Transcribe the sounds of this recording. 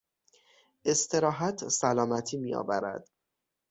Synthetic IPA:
ʔe̞st̪ʰe̞ɾɒːɦæt̪ʰsælɒːmæt̪ʰiːmiːjɒ̰ːvæɾæ̰d̪̥

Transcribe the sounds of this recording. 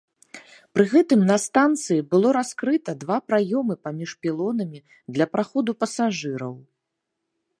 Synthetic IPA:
pɾɨɣɛt̪ɨmnɐst̪ant̪sɨjibɨlˠɔɾaskɾɨt̪ɐd̪vapɾajɔmɨpamʲiʂpʲilˠɔnɐmʲi | d̪lʲɐpɾaxɔd̪upɐsaʐɨɾɐ̰w

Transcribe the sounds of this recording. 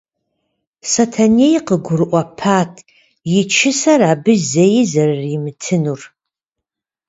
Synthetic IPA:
sɐtʰanejqəɡʷʊrɨʔʷɐpʰaːtʰ | jɪt͡ʃʰɪsɐɾaːbɨzejɪzɐrːimɨtʰɨnur

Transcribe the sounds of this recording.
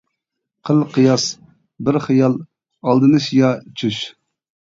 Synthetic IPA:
qʰəlˠqɨjɑs | bɪɾχɨjɑlˠ | ɑlˠd̪ɨnɨʃjɑt͡ʃʰyʃ

